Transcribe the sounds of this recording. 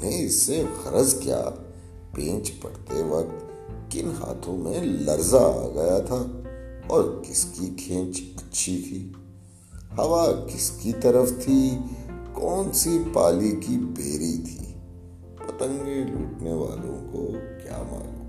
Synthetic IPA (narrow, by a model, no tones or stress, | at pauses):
nẽɪsːeɣɐɾəzkja̰ː | pẽːt͡ʃpɐ̰kt̪eʋɐk̚t̪ | kɪnɦa̰ːt̪ʰõmẽlɐɾza̰ɡɐjat̪ʰaːɔːɾkɪskikʰẽːt͡ʃɐtːʃʰit̪ʰiː | hɐʋakɪskit̪ɐɾəft̪ʰi | kɔːnsipaːlikibeːɾit̪ʰḭː | pɐt̪ə̃ŋɡmẽluːʈneʋa̰ːlõ̰ko̰kja̰ːmã̰ːo